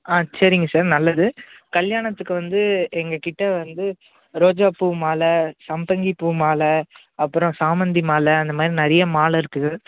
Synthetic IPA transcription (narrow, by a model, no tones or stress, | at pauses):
aːsɐɾɪŋɡɐsaːɾnɐlːɐðɯkɐɭjaːɳɐt̪ːɯkːɯʋɐnd̪ɯɛŋɡɐkɪʈːɐʋɐnd̪ɯ | ɾoːd͡ʒaːpumaːlɐsɐmbɐŋɡipːuːmaːlɐ | ɐpːɯɾɔ̃saːmɐnd̪imaːlɐːnd̪ɐmaːd̪ɾinɐɾɐjɐmaːlɐɪɾɯkːɯɣɐ